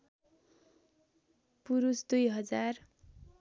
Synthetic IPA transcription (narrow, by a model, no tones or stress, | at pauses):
puɾusd̪ujɦʌd͡zar